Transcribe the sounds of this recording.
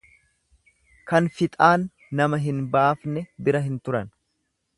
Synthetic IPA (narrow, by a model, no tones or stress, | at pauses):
kɐnfɪt̪ʼaːnː | ɐmɐɦɪnbaːfnɛbɪɾɐɦɪnt̪ʊɾɐn